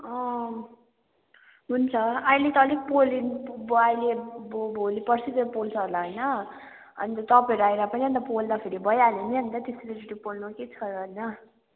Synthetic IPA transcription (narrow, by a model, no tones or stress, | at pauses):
ʌ̃ | ɦunt͡sʰʌajlet̪ʌlik̚polinajlebbʱolipʌrsʰit̪epolt͡sʰʌɦolaɦojnʌ | ʌ̰nit̪ʌt̪ʌpeɾuajɾapʌniʌnt̪ʌpold̪apʰeɾibʱʌjaneniɦʌnit̪ʌt̪esɾeɾʌʈipolnuket͡sʰʌɾɦʌjnʌ